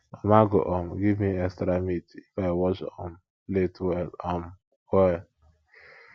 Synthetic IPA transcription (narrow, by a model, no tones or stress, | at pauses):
ɔmaɡo̰ʔɔm̩ɡivmiekstɾamitifaɪwɔt͡ʃɔm̩ | letwɛlɔm̩ | wɛ